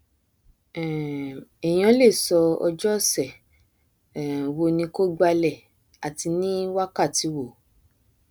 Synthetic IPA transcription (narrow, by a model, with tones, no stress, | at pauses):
ɛ˨j̃ã˧˦le˦˨sɔ˧ɔ̰˧d͡ʒɔ˦sɛ˦˨ | wo˧nĩ˧ko˦ɡ͡ba˧lɛ˦˨ | a˨ti˧nĩ˦wa˦ka˦˨ti˧wo˨